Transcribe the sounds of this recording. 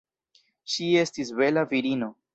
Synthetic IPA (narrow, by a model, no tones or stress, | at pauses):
ʃie̞stisbe̞laviɾino̞